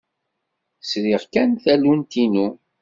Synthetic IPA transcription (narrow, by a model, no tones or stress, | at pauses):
sɾɪʁkænθælunt̪inu